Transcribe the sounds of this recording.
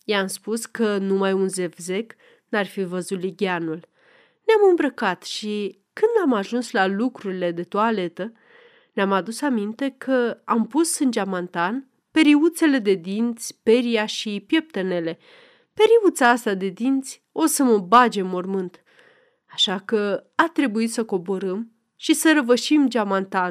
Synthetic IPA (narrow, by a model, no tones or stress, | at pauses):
jeamspuskənumajunze̞vze̞k | narfivəzut̪liɡʲanul | neamɨmbɾəkat̪ʃi | kɨnd̪amaʒunslalukɾuɾile̞d̪e̞t̪uale̞t̪ə | neamad̪usamint̪e̞kʰəampusɨnd͡ʒamant̪an | pe̞ɾiut̪se̞le̞d̪e̞d̪int̪sʲpeɾijaʃipje̞p̚t̪e̞ne̞le̞ | pe̞ɾiut̪saast̪ad̪e̞d̪int̪sʲ | o̞səməbad͡ʒe̞mːo̞rmɨnt̪ | aʃakəat̪ɾe̞buit̪səko̞bo̞ɾəm | ʃisəɾəvəʃimd͡ʒamant̪an